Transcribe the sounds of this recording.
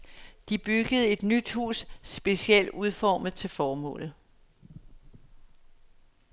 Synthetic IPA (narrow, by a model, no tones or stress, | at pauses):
d̥ib̥yɡ̥əð̞̩ˠe̝d̥nyd̥hṵːsːb̥e̝siel̰d̥uðˠfɒːmð̩ˠt͡sʰe̝lfɒːmɔ̰̽ːlð̩ˠ